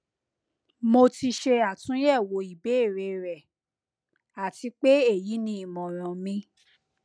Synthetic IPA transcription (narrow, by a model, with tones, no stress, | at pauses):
mo˧ti˧ʃe˧a˨tũ˨˦jɛ˦˨wo˨˦i˨be˦˨ɾe˧ɾɛ˨ | a˨ti˧k͡pe˦e˦˨ji˨˦nĩ˧˦i˦˨mɔ̃˨ɾ̃ã˨mĩ˧